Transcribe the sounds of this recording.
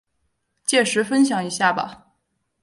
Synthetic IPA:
t͡ɕjɛ˥˩ʂɻ̩˧˥fə˥nɕ̬jɑ˨˩ŋi˧˥ɕja˥˩bɐ̰˩

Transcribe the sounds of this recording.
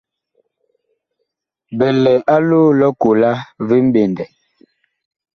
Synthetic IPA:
bɛ˨lɛ˨ʔa˦luː˦lɔ˦ku˨la˦vi˦m̩˦be˨ndɛ˨

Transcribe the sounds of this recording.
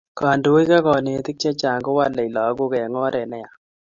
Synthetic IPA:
ka˨ndu˨wo˦jka˦kɔ˨ne˨˦t̪ɪ˦k̚t͡ʃɛ˦t͡ʃa˨ŋɡo˦wa˦lɛ˨i˨lɔ˨˦ɡo˦kɛ˨ŋɔ˦ɾɛ˨nɛ˦ja˨

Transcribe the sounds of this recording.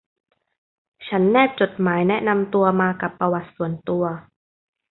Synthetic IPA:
t͡ɕʰa˦˥nːɛː˥˩p̚t͡ɕo˨˩t̪̚maː˩˦jnɛ˦˥ʔna˧mt̪u˧ɐmaː˧ka˨˩pːɾa˧wa˨˩t̪̚su˨˩˦ənt̪u˧ɐ

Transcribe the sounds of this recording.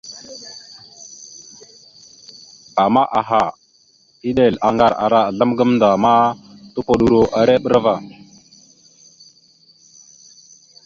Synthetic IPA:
a˨ma˦ʔa˨ɦa˨ | i˦ɗe˨la˨ŋɡa˨ɾa̰˨ɾa˨ɮa˦mɡə˦mnda˨ma˦tu˦po˨ɗu˨ɾo˦ʔa˨ɾe˦ɓə˦ɾva˨

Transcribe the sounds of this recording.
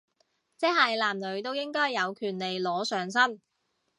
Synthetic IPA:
t͡sɛː˥hɐ˨jlaː˨˩mlɵ˨˧˥ɥt̪o˥wjɪ˥ŋkɔː˥jːɐ˨˧wkʰyː˨˩nle˨˩jlɔː˨˥sœː˨˧ŋsɐ˥n

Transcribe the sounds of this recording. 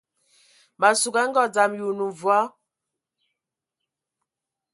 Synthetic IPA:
ɓa˨su˨ɡa˦ŋ˦ɡɔ˦˨d͡za˨mju˨nu˨vwa˦

